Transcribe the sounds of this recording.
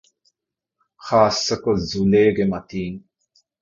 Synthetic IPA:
xaːsːəkozuleːɡemat̪iːŋ

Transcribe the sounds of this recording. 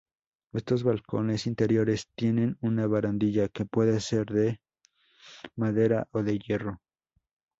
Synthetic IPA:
e̞st̪o̞zβalko̞̰ne̞sint̪e̞ɾjo̞ɾe̞st̪je̞ne̞nunaβaɾand̪iʝake̞pwe̞ðese̞ɾðe̞ | maðe̞ɾaʔo̞ðe̞ʝe̞ro̞

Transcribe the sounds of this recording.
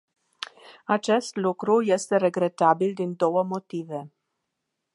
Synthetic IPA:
at͡ʃe̞st̪lukɾuje̞st̪e̞ɾe̞ɡɾe̞t̪abild̪ind̪o̞wəmo̞t̪ive̞

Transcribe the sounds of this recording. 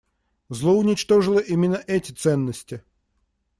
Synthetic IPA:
zlˠoʊnʲɪt͡ɕt̪oʐɨlˠəʔimʲɪnːəʔɛtʲɪt̪sɛnːəsʲtʲɪ

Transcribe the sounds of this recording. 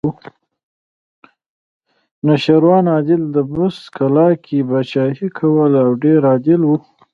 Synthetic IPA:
naʃaɾwɑnɑd̪ɪld̪əbʊskʰalɑkʰibat͡ʃɑhikʰawəlawɖeɾɑd̪ɪlwu

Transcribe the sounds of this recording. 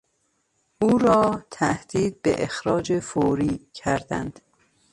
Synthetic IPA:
ʔuːɾɒːt̪ʰæhd̪̥iːd̪̚bḛʔexɾɒːd͡ʒefoːɾiːcʰæɾd̪æ̰nd̪̥

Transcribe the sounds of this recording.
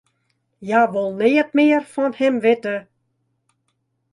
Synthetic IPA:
jaːʋolˠnɪːət̚mɪərfɔnhɛmʋɪtə

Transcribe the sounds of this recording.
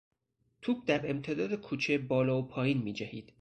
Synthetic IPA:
t̪ʰuːb̚d̪æɾe̞mt̪ʰe̞d̪ɒːd̪ekʰuːt͡ʃʰebɒːlɒːpʰɒːjiːnmiːd͡ʒæhiːd̪̥

